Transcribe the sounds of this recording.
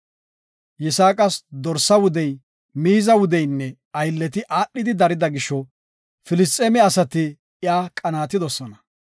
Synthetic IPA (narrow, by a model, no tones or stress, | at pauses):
jɛsaːkʼɐsd̪ɔɾsɐwʊd̪ɛj | miːzɐwʊd̪ɛjnːɛ | ɐjlːɛt̪ɪʔaːɗːɪd̪ɪd̪ɐɾɪd̪ɐɡɪʃɔ | fɪlɪst̪ʼɛːmɛɐsɐt̪ɪ | jaːkʼɐnaːt̪ːɪd̪ɔsɔnɐ